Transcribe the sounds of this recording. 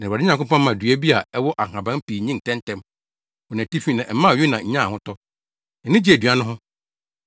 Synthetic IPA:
nã˨a˨˦ɲã˨ŋ˨kʊ˦pɔ̃˦n˦mã˨dɥæ˦bi˦a˨ɛ˦wɔ˦ʔa˨ɦã˨bã˦m˦piː˨ɲĩ˦n˨tʰɛ̃˦ntʰɛ̃˦m | ɔ˨nã˨ti˦fi˦nã˨ʔm̩˦mã˦˨ɪ˦nã˨ɲ̩˦ɲã˦˨hʊ̃˦tɔ˦ | na˨nɪ̃˦d͡ʑi˦æ˨dɥa˦nʊ̃˦ɦʊ̃˦

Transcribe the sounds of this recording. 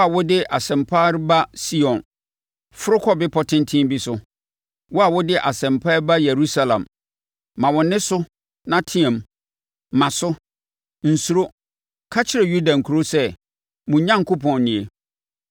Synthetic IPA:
a˨wʊ˦dɪ˦ʔa˨sɛ̃˨mpʰaː˦ɾɪ˦ba˦si˦ɔ̃˨n | fʊ˦ɾʊ˦kʰɔ˦bɪ˦pʰɔ˦tʰɪ̃˦n˦tʰɪ̃˦bi˦sʊ˦ | wɔ˦a˨wʊ˦dɪ˦ʔa˨sɛ̃˨mpʰa˦ba˦je˨ɾu˦sa˦lã̰˨mː | ã˨wɔ̃˨nɪ̃˦sʊ˦ | nã˦tʰɪ̃˦ɛ̃˨m | mã˨sʊ˦ | n̩˨su˨ɾo˦ | kʰa˦t͡ɕʰɪ˦ɾe˨ju˦da˨ŋ̩˨kʰu˨ɾo˦sɛ˦ | mũ˨ɲã˦ŋ˨kʰʊ˦pʰɔ̃˨nːɪ̃˨e˨

